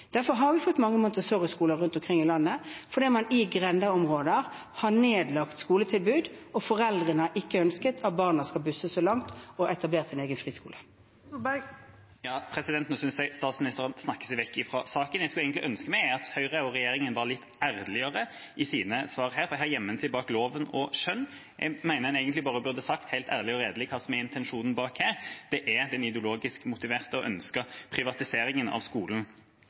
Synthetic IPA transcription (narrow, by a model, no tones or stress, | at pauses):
d̪̥æɾfɔɾɦɑɾʋɪfɔt̪ːmɑŋːəmʊnt̪əsoʁəskuːləʁʉnt̪ɔmkʰʁɪŋːɪlɑnːəfɔɾd̪iːt̪mɑnɪɡɾɛnd̪ɑɔmʁoːd̪əɾ | hɑneːd̪lɑkt̪skuːlət̪ʰɪlbʉːd̪ɔfɔɾɛld̪ʁənəəʔɪkːəœnskət̪ʰɑt̪̚bɑʁnɑskɑlbʉsːəsɔlɑŋt̪ɔɛt̪ɑbleːʁɾt̪sɪneːɡənfʁiːskṵːlə | ɑːpʰʁɛsɪd̪ɛnt̪nɔsʏnsæɪst̪ɑːt̪smɪnɪst̪əʁənsnɑkːə̥sɛɪʋɛkːɪfɾɔsɑːkənjɛɡskʉlæɪɡənt̪lɪʔœnskəmæɪɑt̪hœʏʁəʊʁɛjeːɾɪŋənʋɑʁlɪt̪ːæʁlɪəʁə | ʔɪsiːnəsʋɑːʁhæːɾfɔʁɛɪhɑːʁjɛmːənsɪbɑːkloːʋənɔʃœnː | ʔɛ̰mæɪnəʁhɛnæɪɡənt̪lɪbɑːʁəbʉʁd̪əsɑkt̪hæɪlt̪ʰæ̰ʁlɪɔɾeːd̪əlɪkʰɑːsɔmæɛɪnt̪ʰɛnʂuːnn̩bɑːkhæːʁd̪̥ɛʔɛd̪ɛnɪd̪ɛʊloːɡɪskmʊt̪ɪʋeːʁt̪əɔʔœ̰nskəpʰʁɪʋɑt̪ɪseːɾɪŋənɑ̰ʋskuːln̩